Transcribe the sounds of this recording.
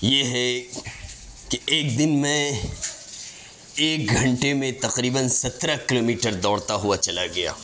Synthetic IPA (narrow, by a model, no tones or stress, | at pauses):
jeɦɛ | keeːkd̪ɪnmẽ | eːk̚ɡʱɐ̃ɳʈemẽt̪ɐqɾiːbənsɐt̪ɾakɪloːmiːʈəɾd̪ɔːɽt̪aɦuat͡ʃɐlaɡɐja̰ː